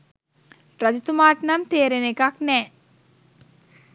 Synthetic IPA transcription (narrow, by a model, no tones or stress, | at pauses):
ɾad͡ʒit̪umaːʈnamt̪eːɾenekaknɛː